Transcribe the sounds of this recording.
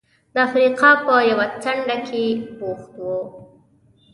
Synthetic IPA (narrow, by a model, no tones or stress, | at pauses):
d̪əafɾiqɑpəjawat͡saɳɖakʰeboxt̪wo